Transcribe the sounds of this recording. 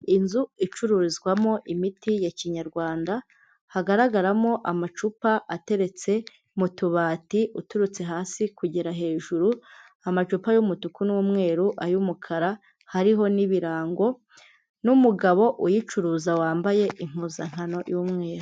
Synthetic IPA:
inzuit͡ʃuɾuɾizɡwamo̞ʔimitijaciɲaɾɡwaːnda | haɡaɾaɡaɾamo̞ʔamat͡ʃupaʔate̞ɾe̞t͡se̞ | mutuβaːtiutuɾut͡se̞ɦaːsikuɟiɾaɦe̞ːʒuɾu | amat͡ʃupajumutukunuwumŋe̞ːɾuʔaɾjumukʰaɾa | haɾiɦo̞niβiɾaːŋɡo̞ | numuɡaβo̞ʔujit͡ʃuɾuːzawaːmbaje̞ʔim̥huzaŋ̥hano̞juːmŋe̞ːɾu

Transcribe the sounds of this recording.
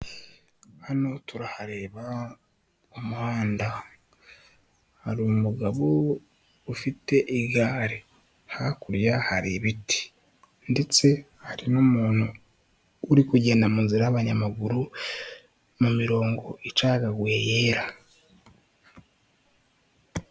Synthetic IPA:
hanotuɾahaɾe̞ːβa | omuhaːnda | haɾumuɡaβo | ufite̞ʔiɡaːɾi | hakuɾjahaɾiβiti̥ | ndet͡se̞ | haɾinoːmuːn̥huː | ɾikuɟe̞namunziɾaːβaɲamaɡuɾu | mumiɾo̞ːŋɡo̞ʔit͡ʃaːɡaɡwe̞ːjeːɾa

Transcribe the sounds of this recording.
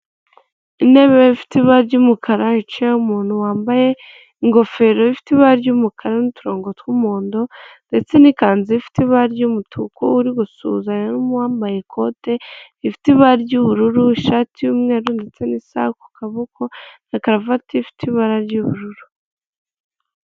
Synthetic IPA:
ine̞βeifi̥tiβaɾɟuːmukʰaɾait͡ʃiaumuːnhuwaːmbaje̞ | iŋɡo̞fe̞ɾoβifi̥tiβaɾaɾɟuːmukʰaɾanitu̥ɾo̞ːŋɡo̞twumuːndonde̞t͡se̞nikaːnziifi̥tiβaɾɟumutʰukouɾiɡusṵːzaɲenumuhaːmbajekʰo̞te̞ | ifi̥tiβaɾaɾɟuːβuɾuɾuiʃaːtijumŋe̞ːɾunde̞t͡se̞nisa̰ku̥kaβokonakaɾavatʰifi̥tiβaɾaɾɟuβuɾuɾu

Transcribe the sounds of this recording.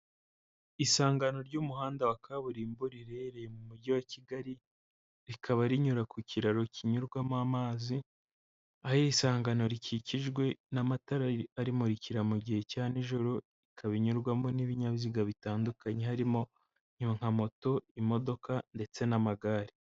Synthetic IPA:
isaːŋɡano̞ɾɟuːmuhaːndawakaβuɾiːmbuɾiɾeɾejemumuɟiwaciɡaɾi | ɾikʰaβaɾiɲuɾakuciɾaɾocʰiɲuɾɡwamaːmaːzi | ahisaːŋɡano̞ɾiciciʒɡwe̞namataɾaaɾimo̞ɾiciɾamuɟihe̞caːniʒoɾo | ikʰaβiɲuɾɡwamo̞niβiɲaβziɡaβitaːndukaɲe̞haɾimo̞ | ɲ̥uŋ̥amo̞to̞imo̞do̞kande̞t͡se̞namaɡaːɾi

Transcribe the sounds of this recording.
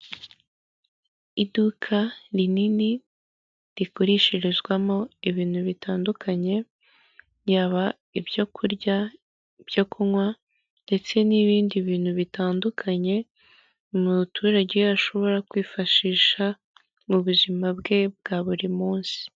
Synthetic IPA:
idukʰaɾinini | ɾikoɾiʃiɾizɡwamo̞iβiːn̥huβitaːndukʰaɲe̞ | jaːβa | ibɟokʰuɾɟa | b̥jokʰuŋwa | nde̞t͡se̞niβiːndiβiːn̥huβitaːndukʰaɲe̞ | umutʰuːɾaɟeaʃo̞βo̞ɾakwiːfaʃiːʃa | muβuzimabɡe̞b̚ɡaːβuɾimuːnsi̥

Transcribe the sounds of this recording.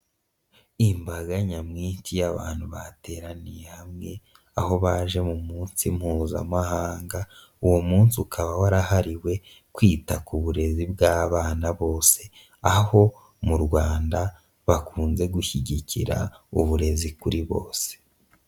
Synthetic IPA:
imbaɡaɲamŋiːtijaβa̰ːn̥huβa̰te̞ɾanijehamŋe̞ | aho̞βaʒe̞mumuːnsim̥huːza̰mahaːŋɡa | uwomuːnsiukʰaβawaɾahaɾiwe̞ | kwiːtakuβuɾe̞zibɡaːβaːnaβo̞ːse̞ | aho̞ | muɾɡwaːnda | βakuːnze̞ɡuçiɟicʰḭɾa̰uβuɾe̞zikuɾiβo̞̰ːse̥

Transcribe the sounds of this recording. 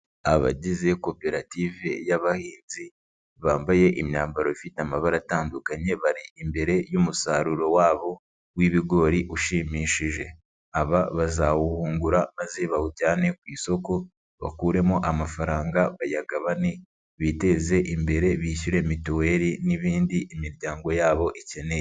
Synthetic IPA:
aβa̰ɟize̞ko̞pe̞ɾativejaβahiːnzi | βaːmbaje̞ʔimɲaːmbaɾo̞ifiteamaβaɾataːndukaɲe̞βaɾiimbe̞ɾe̞jumusaɾuɾo̞waːβo̞ | wiβiɡo̞ɾiʔuʃimiːʃiʒe̞ | aβaβazawuhuːŋɡuɾamaze̞βahucaːne̞kwiːso̞ko̞ | βa̰kuːɾe̞moʔamafaɾaːŋɡaβajaɡaβane | βite̞ze̞ʔimbe̞ɾe̞βiːçuɾe̞mitowe̞ɾiniβiːndiʔimiɾɟaːŋɡo̞jaːβo̞ʔece̞ne̞je

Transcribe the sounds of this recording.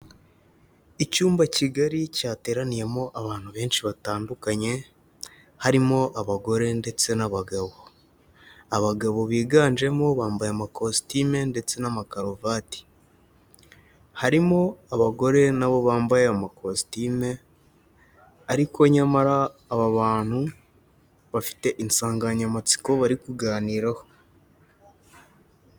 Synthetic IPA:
icuːmbaciɡaɾicaːte̞ːɾanije̞mo̞ʔaβaːn̥huβe̞ːnʃiβataːndukaɲe̞ | haɾimo̞ʔaβaɡo̞ɾe̞nde̞t͡se̞naβaɡaβo̞ | aβaɡaβo̞βiːɡaːnd͡ʒe̞mo̞βaːmbajamakostime̞nde̞t͡se̞namakaɾovaːti̥ | haɾimo̞aβaɡo̞ɾe̞naβo̞βaːmbajeamakʰostime̞ | aɾiko̞ɲamaɾaːβaβaːn̥hu | βafi̥te̞ʔinsaːŋɡaɲamat͡si̥ko̞βaɾikuɡaːniːɾaho̞

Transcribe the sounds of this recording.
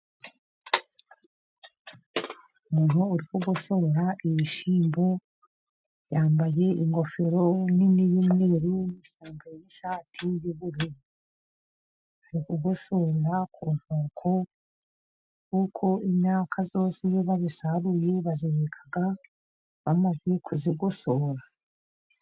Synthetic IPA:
umuːn̥uːɾikuɡoso̞ɾaʔiβiʃiːmbo | jaːmbaje̞iŋɡo̞fe̞ɾoniniβumŋeɾujomiʃaːmboɾojiʃaːtʰijuβuɾeβo | aɾikuɡosoɾɾakʰuːn̥hoːkʰo | kukʰo̞imɲaːkʰazo̞ːsijeβazisaɾuje̞βaziβekʰḁɡa | βamaze̞kʰuziɡosoɾa

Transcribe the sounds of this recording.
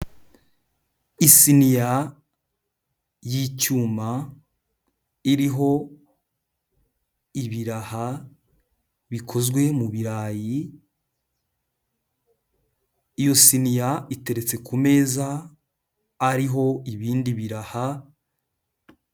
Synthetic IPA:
isinija | jicuːma | iɾiɦo̞ | iβiɾaha | βikʰo̞zɡwe̞muβiɾaːji | ijo̞sinijaite̞ɾe̞t͡se̞kume̞ːza | ɾiɦo̞iβiːndiβiɾaha

